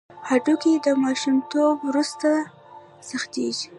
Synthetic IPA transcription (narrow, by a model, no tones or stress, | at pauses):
haʈuked̪əmɑʃumt̪obwɾust̪a | saxt̪ḛʒi